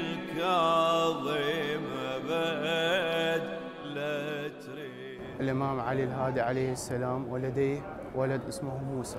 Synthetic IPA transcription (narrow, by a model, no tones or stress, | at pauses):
lkɑðˤimaba | t̪ | lat̪ɾi | ʔɪlʔɪmaːmʕalilɦaːd̪iʕalejhɪsːalaːmwalad̪eː | wʔalad̪ʔɪsmʊhmuːsa